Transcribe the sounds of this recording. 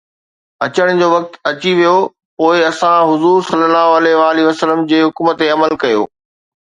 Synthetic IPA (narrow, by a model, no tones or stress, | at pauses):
ɐt͡ɕəɽ̃d͡ʑoːʋɐk̚t̪ɐt͡ɕiʋijo | poːɪɐsãɦʊzuːɾsɐlːəlaːɦoɐlɛɦʋaːliʋəsələmd͡ʑeːɦʊkmət̪eɐməlkɐjo̰ː